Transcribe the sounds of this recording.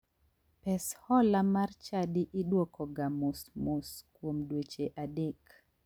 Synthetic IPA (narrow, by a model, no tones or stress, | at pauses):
pɛshɔlamart͡ʃadiʔɪɗwɔkʰɔɡamusmoskwomdwet͡ʃeʔadek